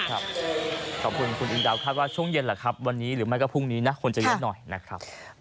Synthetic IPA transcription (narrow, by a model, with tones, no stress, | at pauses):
kʰɾa˦˥p̚kʰɔː˨˩p̚kʰu˧nkʰu˧nʔi˧ŋdaː˧wkʰaː˥˩t̪̚waː˥˩t͡ɕʰu˥˩əŋje˧nla˨˩kʰɾa˦˥p̚wa˧nːiː˦˥ɾɯː˩˦ma˥˩jkɔː˥˩pʰu˥˩ŋniː˦˥na˦˥kʰo˧nt͡ɕa˨˩j̚nɔ˨˩jna˦˥kʰɾa˦˥p̚